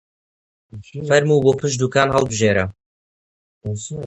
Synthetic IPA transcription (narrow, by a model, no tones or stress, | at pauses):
fɐɾmuːboːpʰɨʃd̪uːkaːnhɐlˠbɨʒeːɾɐ